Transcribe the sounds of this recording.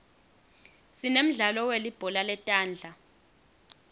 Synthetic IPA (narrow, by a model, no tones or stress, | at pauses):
sinem̩ɮalɔwelib̥ʱɔlalɛtʼaːnd͡ɮʱa